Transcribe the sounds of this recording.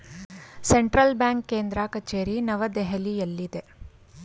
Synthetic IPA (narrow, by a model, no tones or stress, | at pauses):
seɳʈɾɐlbjaːŋkːeːnd̪ɾakɐt͡ʃeːɾinɐʋɐd̪eɦɐlijɐlːid̪e̞